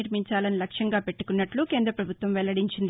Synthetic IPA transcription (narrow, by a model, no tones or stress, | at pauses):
iɾmiɲt͡ʃaːlɐnilɐkʂjɐŋɡaːpe̞ʈːu̥kunːɐʈlukeːnd̪ɾɐpɾɐbʱut̪ʋɐmʋɛlːɐɽiɲt͡ʃind̪i